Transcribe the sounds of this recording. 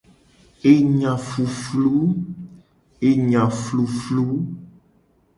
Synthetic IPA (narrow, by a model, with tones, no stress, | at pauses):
e˦ɲã˨fu˨flu˦ | e˨ɲã˨flu˨flu˦